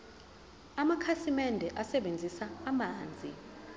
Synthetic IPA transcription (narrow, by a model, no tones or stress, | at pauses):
amakʰasimɛndʱɛʔasɛɓend͡zʱisaːmaːnd͡zʱi